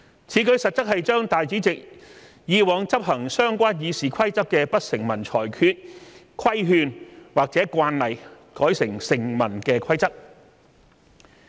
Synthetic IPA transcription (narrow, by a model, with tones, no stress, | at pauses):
t͡sʰiː˨˥kɵ˧ɥsɐ˨t̚t͡sɐ˥k̚hɐ˨jt͡ʃœː˥ŋt̪aː˨jt͡siː˨˥t͡sɪ˨k̚ | jiː˨˧wɔː˨˧ŋt͡sɐ˥p̚hɐ˨˩ŋsœː˥ŋkʷaː˥njiː˨˧siː˨kʰɐ˥jt͡sɐ˥kːɛː˧pɐ˥t̚sɪ˨˩ŋmɐ˨˩nt͡ʃʰɔ̰ː˨˩jkʰyː˧t̚kʰɐ˥jɦyː˧nwaː˨k̚t͡sɛː˨˥kʷaː˧nlɐ˨j | kɔː˨˥jsɪ˨˩ŋsɪ˨˩ŋmɐ˨˩nkɛː˧kʰɐ˥jt͡sɐ˥k̚